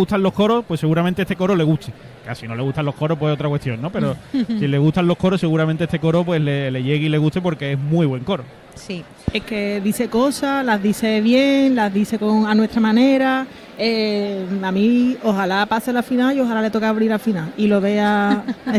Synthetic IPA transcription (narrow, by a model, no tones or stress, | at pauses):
ɣut̪alohko̞ɾopweseɣuɾamẽnt̪eet̪eko̞ɾo̞le̞ɣut̪ʰe | kasino̞le̞ɣut̪alo̞hkʰo̞ɾopweeo̞t̪ɾakwe̞t̪jo̞nːopeɾosileɣut̪anlo̞hkʰo̞ɾose̞ɣuɾamẽnt̪eet̪eko̞ɾopwe̞ɦleleʝe̞ɣile̞ɣut̪e̞po̞ɾkeeɦmwiβwe̞ŋko̞ɾo | si | eke̞ðiθe̞ko̞salaɦðiθe̞βje̞ŋlaðiθe̞koŋanwe̞t̪ɾamãne̞ɾa | e | amio̞ɦalapaselafinaio̞ɦalale̞t̪o̞kaaβɾiɾafinailo̞βe̞a